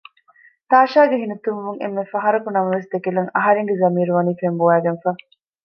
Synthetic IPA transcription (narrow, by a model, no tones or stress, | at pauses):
t̪aːʃaːɡeɦinut̪unʋuŋḛmːefɐɦɐɾɐkunɐmɐʋesd̪ekilɐŋɐɦɐɾeŋɡezɐmiːɾuʋɐniːfembuæːɡɐnfaː